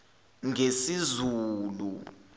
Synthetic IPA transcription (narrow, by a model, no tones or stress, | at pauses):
ŋesizuːlṵ